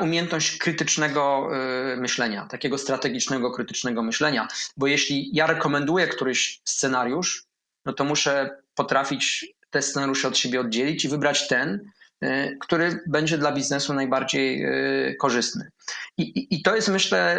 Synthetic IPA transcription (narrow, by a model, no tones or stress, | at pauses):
umʲjɛnt̪nɔɕt͡ɕkɾɘt̪ɘt͡ʂnɛɡɔ | mɘɕlɛɲa̰t̪akʲeɡɔst̪ɾat̪ɛɡʲit͡ʂnɛɡɔkɾɘt̪ɘ̥t͡ʂnɛɡɔmɘɕlɛɲabɔjeɕlʲijaɾɛkɔmɛnd̪ujɛkt̪uɾɘɕst̪sɛnaɾʲjuʂ | nɔt̪ɔmuʂɛpɔt̪ɾafʲit͡ɕt̪ɛst̪sɛnaɾʲjuʂɛɔt̪ɕebʲjɛɔd̪̚d͡ʑelʲit͡ɕivɘbɾat͡ɕt̪ɛn | kt̪uɾɘbɛɲd͡ʑɛd̪labʲiznɛsunajbaɾd͡ʑejkɔʐɘst̪nɘ̰iːt̪ɔjɛst̪mɘɕlɛ